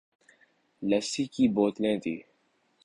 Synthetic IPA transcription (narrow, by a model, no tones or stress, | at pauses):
ləsiːkiːboːt̪lẽːt̪ʰḭː